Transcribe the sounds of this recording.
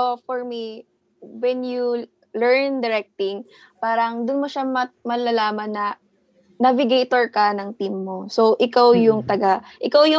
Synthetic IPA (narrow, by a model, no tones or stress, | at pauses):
ofɔɹmi | wɛnju | lɛɹnd̪ɛɹɛk̚t̪ɪŋ | paːɾɐŋd̪ʊnmoʃamɐmɐlɐlaːmɐnːɐ | navɪɡejt̪oɹkɐnɐŋt̪imːo̞soʔɪkawjʊŋt̪ɐɡaʔɪkawjʊ